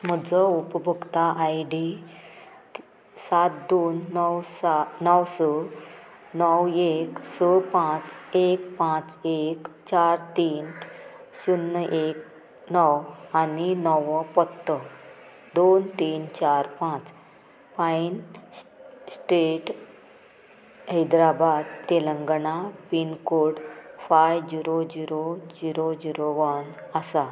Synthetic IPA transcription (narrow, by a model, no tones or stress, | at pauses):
m̤əd͡zəupəbʱəkt̪aʔajɖi | sat̪̚d̪onːwsanɔwsə | nɔweksəpãt͡sek̚pãt͡sekt͡ɕaɾt̪iːnɕunːəʔek | nɔwaninɔʋɔpɔt̪ːə | d̪ont̪iːnt͡ɕaɾpãt͡s | pain | sʈeʈ | ɦəjd̪ɾabad̪t̪eləŋɡɳapinkoɽfajd͡ʑiɾod͡ʑiɾod͡ʑiɾod͡ʑiɾoʋənasa